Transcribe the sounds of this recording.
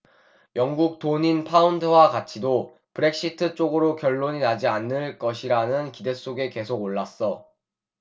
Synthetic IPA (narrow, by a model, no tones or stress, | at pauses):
jʌŋɡuk̚t͈oɲinpʰaundɯwakat͡ɕʰido | pɯɾe̞k̚ɕ͈itʰɯt͡ɕ͈oɡɯɾokjʌɭːoɲinad͡ʑianːɯɭk͈ʌɕʰiɾanɯnkide̞s͈oɡe̞ke̞sʰoɡoɭːas͈ʌ